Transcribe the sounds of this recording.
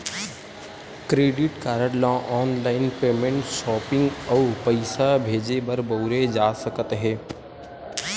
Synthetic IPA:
kɾeːɖɪʈkaːɾəɽlɔ̃ːʔɔːnlaːɪnpeːmẽɳʈʃɔːpɪ̃ŋɡɔʊpəɪsabʱeːd͡ʒebəɾboʊɾed͡ʒaːsəkət̪ɦɛ̃ː

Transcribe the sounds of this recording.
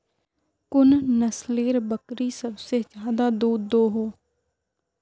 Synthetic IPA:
kʊnnəsleːɾbəkɾiːsəbseːd͡ʒjaːd̪aːd̪uːd̪d̪oːɦoː

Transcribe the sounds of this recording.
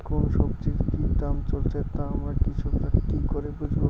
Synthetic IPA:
konʃɔbd͡ʑiɾkit̪amt͡ɕolt͡ɕʰat̪aamɾaɾkit͡ɕʰubɾakikoɾebud͡ʑʱbo

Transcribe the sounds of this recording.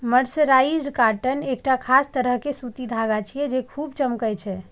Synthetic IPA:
məɾsəɾaid͡ʒkaʈənek̚ʈakʰast̪əɾəɦkesut̪id̪ʱaɡat͡ʃʰijɛd͡ʒekʰubt͡ʃəmkəjt͡ʃʰɛ

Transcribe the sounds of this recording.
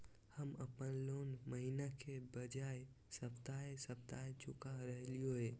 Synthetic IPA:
həməpənloːnməɦinakʰebəd͡ʒae | səpt̪aesəp̚t̪aet͡ʃʊkaɾəɦlijoe

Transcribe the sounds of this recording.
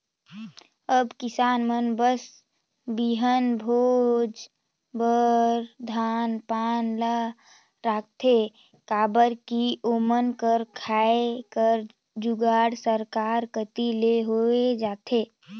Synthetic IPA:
əbkɪsaːnmənbəs | biɦənbʱod͡ʒ | bəɾd̪ʱaːnpaːnla | ɾaːk̚ʰt̪ʰe | kaːbəɾkiomənkəɾkʰaːekəɾ | d͡ʒuɡaːɽsəɾkaːɾkət̪ileɦoed͡ʒaːt̪ʰe

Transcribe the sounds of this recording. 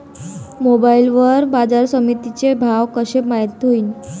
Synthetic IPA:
mobailʋəɾbad͡zaɾsəmit̪it͡sebʱaʋkəɕemajt̪ɦoiːn

